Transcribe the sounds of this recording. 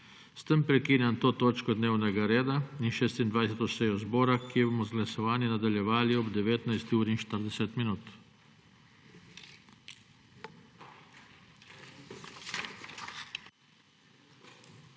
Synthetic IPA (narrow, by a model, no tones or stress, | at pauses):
st̪əmpɾɛkiːnjant̪oːt̪oːt͡ʃkɔd̪neːwnɛɡaɾeːd̪ainʃeːst̪ind̪ʋajsɛt̪ɔsɛːjɔzbɔːɾakijɛboːmɔzɡlasɔʋaːninad̪aljɛʋaːliɔbd̪ɛʋeːt̪najst̪iuːɾinʃt̪əɾd̪ɛsɛt̪minuːt̪